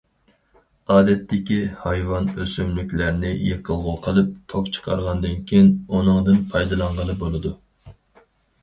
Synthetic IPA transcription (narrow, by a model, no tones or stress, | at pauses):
ɑːd̪ɛt̪ːɪkʲihɑjwɑnøsymlykʲlæɾnɪjeqʰəlˠʁʊqʰəlˠɨp̚t̪ʰokt͡ʃʰə̥qʰɑ̰ɾʁɑnd̪ɪnkʲʰejinunɨŋd̪ɨnpʰɑjd̪ɨlˠɑɴʁəlˠɨbolˠɨd̪u